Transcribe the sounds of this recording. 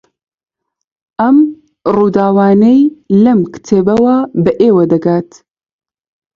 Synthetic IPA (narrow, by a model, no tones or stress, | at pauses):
ʔɐm | ruːd̪aːwaːnejlɐmkɨ̥t̪ʰeːbɐwabɐʔeːwɐd̪ɐɡaːt̪